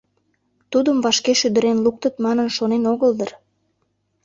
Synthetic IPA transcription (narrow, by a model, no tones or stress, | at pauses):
t̪ud̪əmvɑʃkeʃyd̪əɾenluk̚t̪ət̪mɑnənʃonenoɣəld̪ər